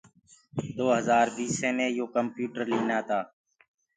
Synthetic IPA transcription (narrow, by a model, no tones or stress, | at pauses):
d̪oːɦəzaːɾbiːsẽːnẽːjoːkəmpjuːʈəɾliːnaːt̪aː